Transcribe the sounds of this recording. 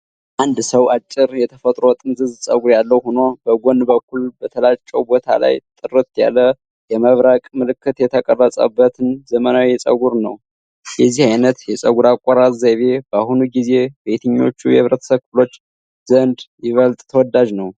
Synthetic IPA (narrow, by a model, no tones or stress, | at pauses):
ʔand̪səwat͡ʃʼːɪɾjɛt̪ʰəfət̪ʼɾot̪ʼɨnzɨzsʼə̰ɡuɾjalːəwhuno̞bəɡo̞nbəkʷːulbət̪ʰəlat͡ʃʼːəwbo̞t̪ʰa̰la̰jt̪ʼɨrɨt̪ja̰lːə | jɛməβɾakʼmɨlɨkːɨt̪jɛt̪ʰəkʼərːəsʼə̰bːət̪ʰɨnzəmənawisʼə̰ɡuɾnəw | jɛzːihajnət̪jɛsʼəɡuɾakʼaɾazzaβe̞b̥əahunuɡize̞bet̪ʰəɲːo̞̰t͡ʃːujɛ̰ɨβɾət̪ʰəsəβkʰflo̞t͡ʃː | zənd̪jɪβəlt̪ʼt̪ʰəwɔd̪aʒnəw